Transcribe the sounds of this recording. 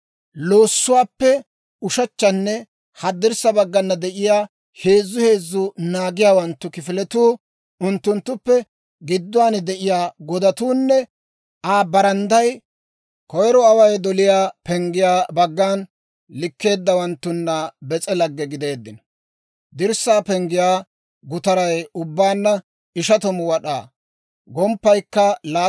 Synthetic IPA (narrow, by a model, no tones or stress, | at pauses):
lo̞ːsːʊwaːpːɛ | ʊʃɐt͡ʃːɐnːɛ | hɐd̪ːɪɾsɐbɐɡːɐnːɐd̪ɛʔɪjaː | he̞ːzːʊhe̞ːzːʊnaːɡɪjaːwɐnt̪ːʊkɪfɪlɛt̪uː | ʊnt̪ːʊnt̪ːʊpːɛ | ɡɪd̪ːʊwaːnd̪ɛʔɪjaːɡɔd̪ɐt̪uːnːɛ | aːbɐɾɐnd̪ɐj | kɔjɾɔɐwɐjd̪ɔlɪjaːpɛŋɡɪjaːbɐɡːaːn | lɪkːe̞ːd̪ːɐwɐnt̪ːʊnːɐbɛt͡sʼɛlɐɡːɛɡɪd̪e̞ːd̪ːɪnɐ | d̪ɪɾsaːpɛŋɡɪjaː | ɡʊt̪ɐɾɐjʊbːaːnːɐ | ɪʃɐt̪ɔmʊwɐɗa̰ː | ɡɔmpːɐjkːɐlaː